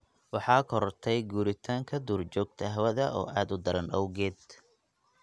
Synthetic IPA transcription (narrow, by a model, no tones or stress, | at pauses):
wɑħɑːkʰɔɾɔrt̪ʰɛjɡuːɾɪt̪ʰaːŋkʰɐd̪uːrt͡ʃɔːɡ̚t̪ʰɐɦɐwɐðɐʔɔ̰ːʔaːd̪ʊd̪ɐɾɐnʔɐwɣɛːd̪